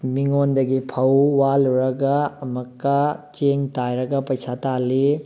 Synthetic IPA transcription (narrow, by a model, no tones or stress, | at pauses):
miŋondɐɡipʰɐwwaluɾɐɡɐːmɐkːɐt͡ʃeŋtajɾɐɡɐpɐjsatali